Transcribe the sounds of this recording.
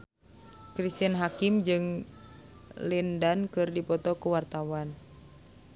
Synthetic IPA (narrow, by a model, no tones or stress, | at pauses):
kɾist̪inɦakimd͡ʒɨŋ | lindankɨrdipɔt̪ɔkuwart̪awan